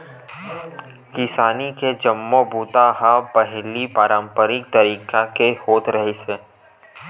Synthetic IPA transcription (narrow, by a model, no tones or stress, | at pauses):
kɪsaːniked͡ʒɐmːobuːt̪aɦapɐɦlipaːɾãːmpəɾɪk̚t̪ɐɾiːkakehoːt̪ɾɐɦiseː